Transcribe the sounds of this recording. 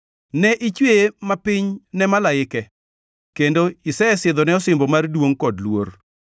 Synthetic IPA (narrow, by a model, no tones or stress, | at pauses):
nɛʔɪt͡ʃwemapɪɲnɛmalaɪkɛ | kendoɪsɛɛsɪd̪ɔnɛɔsɪmbɔmardwoŋkɔdlwor